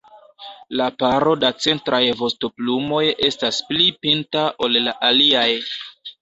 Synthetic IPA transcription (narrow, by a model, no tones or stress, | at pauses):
lapaɾo̞dat͡se̞ntɾʔajvo̞sto̞plumo̞je̞stasplipintaʔo̞llaʔaliaj